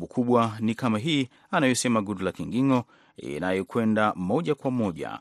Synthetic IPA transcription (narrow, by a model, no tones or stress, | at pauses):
bukʰuɓwanikamaɦiː | anajɔsɛmaɡudulakiŋɡiŋɔ | ḭnajɔkwɛndamɔʄakwamɔʄa̰